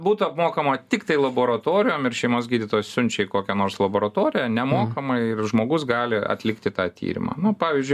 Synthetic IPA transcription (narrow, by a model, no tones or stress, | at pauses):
buːt̪ʊɐpmoːkɐmɐt̪ʲɪkt̪ɐɪlˠɐboːɾɐt̪oːɾʲɪjoːmɪrʃʲɛɪmoːs̬ɡʲiːd̪ʲɪt̪oːjɛssʊnʲt͡ʃʲɛɪkoːkʲɛnoːɾslˠɐboːɾɐt̪oːɾʲɪjɛnʲɛmoːkɐmɐɪɪrʒmoːɡʊsɡɑːlʲɪɐ̰t̪ʲlʲɪkt̪ʲɪt̪ɑːt̪ʲḭːɾʲɪ̰mɑ̰ːnʊpɑːʋʲiːzʲd͡ʒʲʊɪ